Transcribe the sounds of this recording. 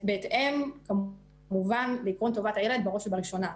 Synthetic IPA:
beːt̪ʔemka | muvanleiːkʁont̪o̞vatʕeled̪̚beʁo̞ʃbaʁiʃo̞na

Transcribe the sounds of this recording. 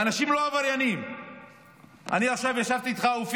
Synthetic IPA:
anaʃimloavaʁjanim | a̰niaχʃavjaʃavt̪iːt̪χauf

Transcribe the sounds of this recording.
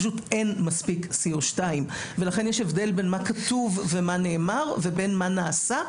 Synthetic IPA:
ʃutenmaspiksioʃtaim | velaχe̞njeʃevde̞lbe̞nmakatuvːemaneːmaʁve̞be̞nmanaːsa

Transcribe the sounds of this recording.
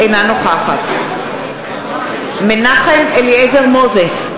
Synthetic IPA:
ejnanoχaχat̪ | menaχemeliezeʁmozes

